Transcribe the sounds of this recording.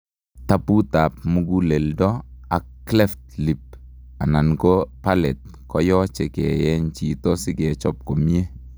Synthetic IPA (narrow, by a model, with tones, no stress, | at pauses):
ta˦pu˦ta˨p̚mu˦ɡu˦le˨ldɔ˦a˨kː | lɛ˦ftli˨p̚ | a˨na˨nkopalɛ˨t̪̚ | kɔ˦jɔ˦t͡ʃɛ˨kɛ˨jɛ˦nt͡ʃi˨tɔ˦si˦kɛ˨t͡ʃɔ˦p̚ko˨mi˦e˦